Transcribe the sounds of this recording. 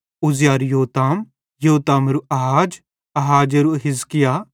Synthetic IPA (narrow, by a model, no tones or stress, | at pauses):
uzjaːɾjoːt̪aːm | joːt̪aːmɾuʔɐɦaːd͡ʒ | ɐɦaːd͡ʒɐɾuɦɪzkɪjaː